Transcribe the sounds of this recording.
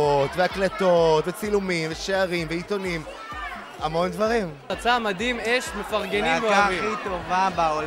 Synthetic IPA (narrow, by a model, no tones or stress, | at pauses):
ot̪veaklet̪otvet͡silumimveʃeaʁimveito̞nim | amo̞ndvaʁim | at͡samadimeʃmefaʁɡe̞nimveaiit̪ovabao